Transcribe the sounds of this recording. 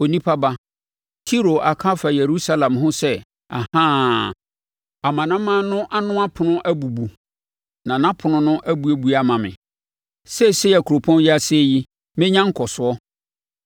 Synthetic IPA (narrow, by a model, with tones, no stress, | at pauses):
o˨nĩ˦pʰa˦ba˦ | tʰi˦ɾo˨ʔa˨kʰa˦fa˨je˨ɾu˦sa˦lã˨mɦʊ̃˦sɛ˦ | a̰˨hãː˦ | a˨mã˨nã˦mːã˦nʊ̃˦ʔa˦nʊ̃˦a˦pʰʊ˨nʊ̃˦ʔæ˦bu˨bu˨ | nã˨nã˦pʰʊ˨nʊ̃˦nʊ̃˦ʔæ˦bu˦e˨bu˦a˦mã˨mɪ̰̃˨ | sɛ˦˨se˦˨æ˨kʰu˨ɾo˨pʰɔ̃˦njɛ˦a˦se˦ji˦ | mɪ̃˦ɲã˦ŋ̩˦kʰɔ˨sʊ˨ɔ˦